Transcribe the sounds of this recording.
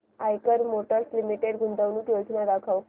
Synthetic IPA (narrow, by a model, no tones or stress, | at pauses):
ajkəɾmoʈəɾslimiʈeɽɡʱund̪əʋnuːkjod͡znaɾakʰaw